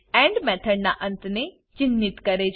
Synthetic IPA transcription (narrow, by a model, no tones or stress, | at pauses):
ɛ̃ːɳɖmɛːt̪ʰəɾnaʔə̃nt̪ne | t͡ʃɪnːɪt̪kɐɾed͡ʒ